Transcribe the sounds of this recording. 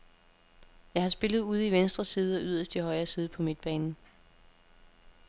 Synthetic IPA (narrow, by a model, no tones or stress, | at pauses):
jɑ̈ɪhɑ̈sb̥e̝lð̞ˠuð̞̰ˠiʋensd̥ʁɐsiːð̞̩ˠɒ̽ʔyð̰ˠɐsd̥ihɒ̽ɪɐːsiːð̞ˠpʰɒ̽med̥̚b̥ɛːn̩